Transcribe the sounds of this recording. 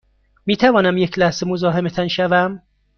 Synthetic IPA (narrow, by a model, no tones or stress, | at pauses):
miːt̪ʰævɒːnæmjecʰlæhz̥e̞mozɒːɦemet̪ʰænʃævæm